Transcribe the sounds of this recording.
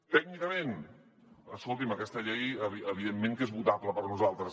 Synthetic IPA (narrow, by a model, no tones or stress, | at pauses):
t̪ɛɡ̚nikəmen | əskolˠt̪iməkɛst̪əʎɛjəβiəβ̞iðemːẽŋkezβut̪apləpəɾnuzalˠt̪ɾəs